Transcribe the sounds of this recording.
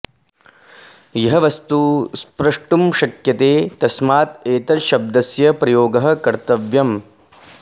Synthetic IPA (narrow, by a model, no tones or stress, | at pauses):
jɐɦɐʋɐst̪uspɾɐʂʈumʃɐkjɐt̪eːt̪ɐsmaːt̪eːt̪ɐɾʃɐb̚d̪ɐsjɐpɾɐjoːɡɐɦɐ̆kɐɾt̪ɐʋjɐm